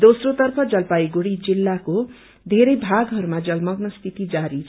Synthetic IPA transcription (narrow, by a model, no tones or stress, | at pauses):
d̪osrot̪ʌrpʰʌd͡zʌlpaiɡuɽid͡zilːako | d̪ʱeɾʌjbʱaɡɦʌɾumad͡zʌlmʌɡnʌst̪ʰit̪id͡zaɾi